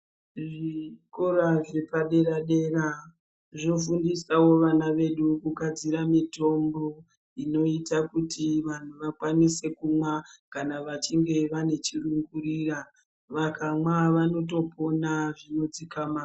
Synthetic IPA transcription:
ʐiko̞ɾaʐepaɗe̞ɾaɗe̞ra | ʐo̞fundisawo̞ʋanaʋe̞ɗukukad͡ziɾamito̞mbo̞ | ino̞itakutiʋan̤uʋakwanise̞kumwakanaʋat͡ʃiŋɡe̞ʋane̞t͡ʃiruŋɡuɾira | ʋakamwaʋano̞to̞po̞naʐino̞d͡zikamaː

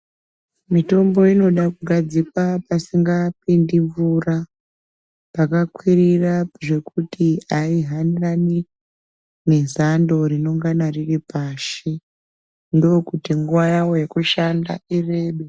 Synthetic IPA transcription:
mito̞mbo̞ino̞ɗakuɡʱad͡zikwapasiŋɡapindiɱvura | pakakwiriraʐe̞kutiaiɦanirani | ne̞zando̞ɾino̞ŋɡanariripaːʃe | ndo̞ːkutiŋɡuwajawo̞je̞kuʃanda̰ire̞ːɓe

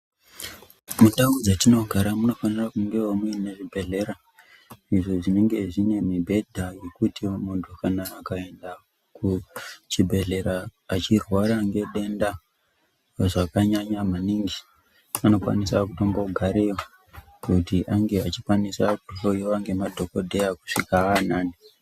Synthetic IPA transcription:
muɗaud͡zatino̞ɡʱaɾamuno̞fanirakuŋɡe̞womuineʐibʱe̞ɮe̞ɾa | iʐo̞ʐine̞ŋɡe̞ʐine̞mibʱe̞dʱaje̞kutimondʰokʰanaːkae̞nda | kut͡ʃibʱe̞ɮe̞ɾaːt͡ʃirwaɾaŋɡe̞ɗe̞nda | ʐakaɲaɲamaniːŋɡi | ano̞kwa̰nisakuto̞mbauɡʱaɾeo | kutiʔaŋɡe̞at͡ʃikwanisakuɬojiaŋɡe̞madʱo̞ko̞dʱejaku̥ʂikaanaːni

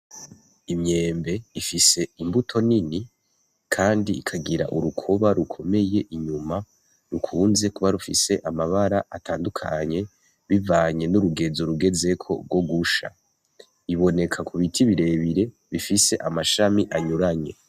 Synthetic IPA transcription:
imɲe̞ːmbe̞ifise̞imbutʰo̞nini | kʰaːndiːkʰaɡiɾa̰ʔuɾukʰo̞βaɾukʰo̞me̞je̞ʔiɲuma | ɾukʰuːnze̞kuβaɾufḭse̞ʔamaβaɾaʔatʰaːndukʰa̰ɲe̞ | βivaɲe̞nuɾuɡe̞zoɾuɡe̞ze̞kʰo̞̰ɾɡwo̞ɡuʃa̰ | iβo̞ne̞kʰakʰuβitʰiβiɾe̞βiɾe̞ | βifise̞ʔamaʃamiʔaɲuɾaɲe̞

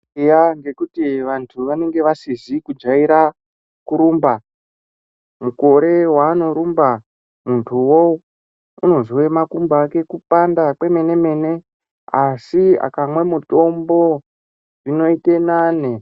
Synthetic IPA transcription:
jaŋɡe̞kutiʋantʰuʋane̞ŋɡe̞ʋasizikud͡ʒaiɾa | kuɾuːmba | muko̞ɾe̞waːno̞ɾumba | muntʰuwo | uno̞ziwe̞makumbaːke̞kupandakwe̞me̞ne̞me̞ne̞ | asia̰kamwe̞muto̞mbo̞ | ʐino̞itenane

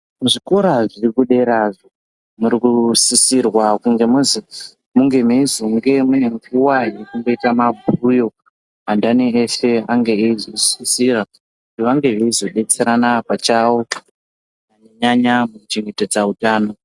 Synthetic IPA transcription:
muʐiko̞ɾaʐirikuɗe̞ɾaʐo | muɾikusisirwakuŋɡe̞muzi | muŋɡe̞meizoŋɡe̞meŋɡuwairikuŋɡo̞itamabʱujo̞ | ɦandaneːse̞aŋɡe̞eizo̞sisira | kutiʋaŋɡe̞ʋeizo̞ɗe̞t͡se̞ɾanapat͡ʃawo̞ | aɲeɲaɲamukut͡ʃiŋɡe̞ted͡zautaːno̞

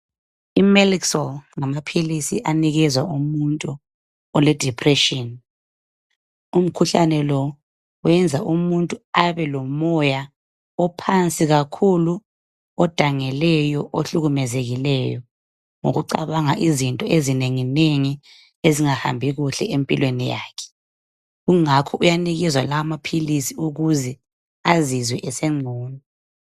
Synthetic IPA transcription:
imɛliksɔlŋamapʰilisḭʔaniɣɛzwaʔumuntʼu | ɔlɛd̥ʱipʰrɛʃɔn | um̩kʰuɬanɛlɔ | wɛnd͡zʱaʔumuntʼuaβɛlɔmɔja | ɔpʰant͡sʼiɣakʰulu | ɔd̥ʱaŋɛlɛjɔʔoɬuɣumɛzeɣilɛjɔ | ŋo̰ɣuǃaβaŋaʔizintʼɔezineŋineŋi | eziŋaha̰mbʱiɣuɬɛ̰empʼilwenija̰ːkʰɛ̥ | ɣuŋakʰɔʔujaniɣɛzwalawamapʰilisiuɣuzɛ | azizwɛʔɛsɛŋ͡ǀʱɔːnɔ

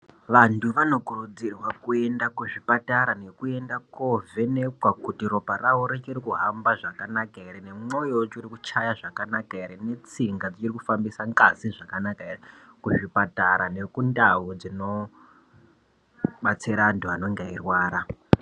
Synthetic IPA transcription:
ʋantʰuʋano̞kurud͡zirwakue̞ndakuʐipataɾane̞kue̞ndakove̞ne̞kwakutiɾo̞parauɾet͡ʃiɾikuɦambaʐakanakaeɾene̞mo̞jot͡ʃoɾikut͡ʃajaʐakanakaeɾene̞t͡siŋɡad͡zit͡ʃiɾikufambisaŋɡaziʐakanakaere | kuʐipataɾane̞kundaud͡zino̞ | ɓat͡siɾaantuano̞ŋɡeirwaːɾa

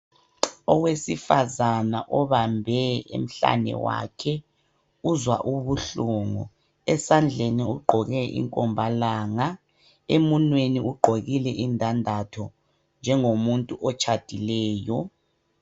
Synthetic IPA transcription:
ɔwesifazanaʔɔβambʱɛḛm̩ɬa̰nɛ̰wa̰kʰɛ | uzwa̰ʔuβuɬuːŋɔ | ɛsand͡ɮʱeniuɡ͡ǃʱɔɣɛʔḭŋkʼɔmbʱalaːŋa | emunweniuɡ͡ǃʱoɣilɛʔindʱandʱatʰɔ | nd͡ʒʱɛŋomuntʼuʔɔt͡ʃʰʼad̥ʱilɛːjɔ

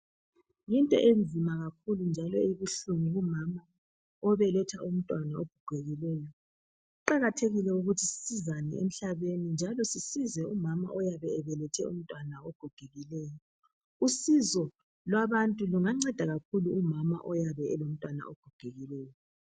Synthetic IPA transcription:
jintʼɔ̰ʔend͡zʱimaɣak̚ʰulund͡ʒʱalɔeβuɬumiumama | ɔβɛlɛtʰaʔum̩tʼwanaoɡ̥ʱuɡ̥ʱeɣilɛjɔ | uǃaɣatʰeɣilɛuɣutʰisi̥sizanɛ̰ḛm̩ɬaβenind͡ʒʱalɔsisizɛumama̰ʔɔjaβɛːβɛlɛtʰɛṵm̩tʼwanaɔɡ̥ʱɔɡ̥ʱeɣilɛjɔ | usizɔ | lwaβantʼuluŋaŋ͡ǀɛd̥ʱaɣakʰuluumama̰ʔɔjaβɛɛlom̩tʼwana̰ɔɡ̥ʱɔɡ̥ʱeɣilɛːjɔ

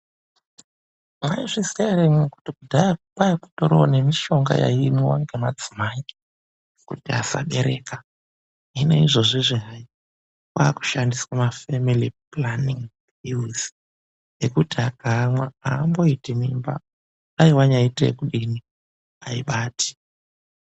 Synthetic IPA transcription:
maiʐiseɾemeku̥tikudʱajaupajaku̥toɾone̞miʃo̞ŋɡa̰ja̰imiwaŋɡemad͡zimaii̥ | kṵtiasa̰ɓe̞ɾe̞ːka | ine̞̰iʐo̞ʐiʐiɦai | kwaku̥ʃandiswamafemiliplaniŋ | ilz | jekutiaɡaːmwaaːmbo̞itimimba̰ | aiwaɲaiteekuɗini | aiɓaːtʰi̥

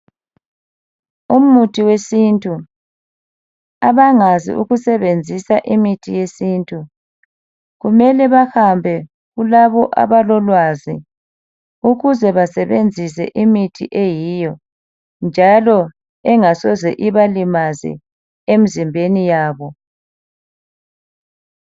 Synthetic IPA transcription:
um̩utʰiwesintʼu | aβaŋazḭʔṵɣusɛβend͡zʱisaʔimitʰijesintʼu | ɣumɛlɛβahambʱɛ | ɣulaβɔʔa̰βalɔlwazi | uɣuzɛβasɛβend͡zʱisɛ̰ʔimitʰḭʔejijɔ | nd͡ʒʱalɔ | ɛŋasɔzɛʔiβalimazḭ | em̩zimbʱenijaːβɔ

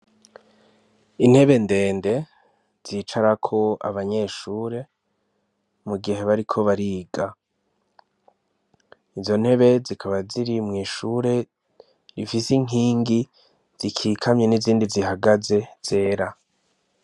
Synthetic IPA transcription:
in̥he̞βe̞nde̞ːnde̞ | z̥iːt͡ʃaɾakʰo̞a̰βaɲe̞ʃuːɾe̞ | muɡiɦe̞βaɾikʰo̞βaɾiːɡa | izo̞n̥he̞βe̞zikʰaβaziɾimŋiːʃuːɾe̞ | ɾifisiŋ̥iːŋɡi | z̥ikʰiːkʰamɲe̞niziːndiziɦaɡaze̞z̥e̞ːɾa

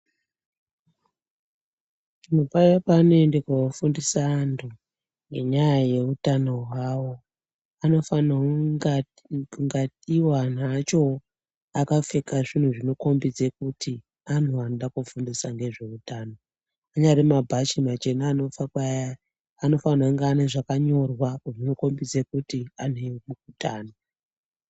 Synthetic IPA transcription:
inopajapaːnoendekwaofundisaːntʰu | ŋɡe̞ɲajaje̞utano̞ɦwawo̞ | ano̞fana | ŋɡatiwan̤at͡ʃo̞ | akafe̞kaʐin̤uʐino̞ko̞mbid͡zekutʰi | anʰuanoɗakufundisaŋɡe̞ʐe̞utaːno | aɲaɾemabʱat͡ʃimat͡ʃe̞naːnofakaː | no̞fanaŋɡeaneʐakaɲo̞rwakʐino̞ko̞mbid͡zekutian̤ewmukutaːno

